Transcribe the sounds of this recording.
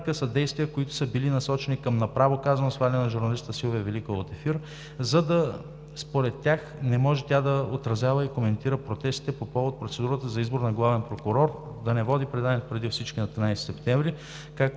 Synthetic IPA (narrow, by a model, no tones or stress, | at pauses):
kəsəd̪ɛjst̪vijəkoit̪ʊ̥səbilinɐsɔt͡ʃɛnikəmnɐpɾavokazɐnosvalʲnɛnɐʒʊɾnɐlisəsilˠvɛvɛlikoot̪ɛfiɾ | zɐd̪ɐ | spoɾɛt̪ːjaxnɛmɔʒɛt̪ʲad̪ɐot̪ɾɐzʲjavəikomɛnt̪iɾəpɾot̪ɛst̪i̥t̪ɛpopɔvot̪̚pɾot̪sɛd̪uɾət̪əzɐizbʊɾnɐɡlˠavɛnpɾokʊɾɔɾ | d̪ɐnɛvɔd̪ipɾɛd̪anɛt̪pɾɛd̪ifsit͡ʃkinɐt̪ɾʲinajsi̥sɛpt̪ɛɱvɾi | kak̚